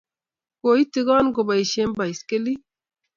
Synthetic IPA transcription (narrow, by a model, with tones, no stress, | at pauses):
ko˨i˦ti˨˦ɡɔ˦nɡo˨ba˨i˨ʃe˦mba˨i˨ske˦li˦